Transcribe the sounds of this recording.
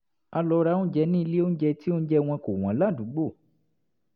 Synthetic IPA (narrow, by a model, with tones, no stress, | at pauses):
a˧lɔ˧˦˧ɾa˧˦nũ˦d͡ʒɛ˧nĩ˦˧le˦o˦n̩˦d͡ʒɛ˧ti˦o˦n̩˦d͡ʒɛ˧w̃ɔ̃˧ko˨w̃ɔ̃˨˦la˦˨du˨˦ɡ͡bo˦˨